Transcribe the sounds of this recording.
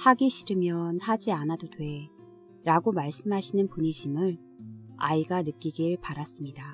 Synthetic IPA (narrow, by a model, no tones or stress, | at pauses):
haɡiɕʰiɾɯmjʌnhad͡ʑianadodwe̞ | ɾaɡomaɭs͈ɯmɦaɕʰinɯnpuɲiɕʰimɯɭ | a̰iɡanɯk͈iɡiɭpaɾas͈ɯmɲida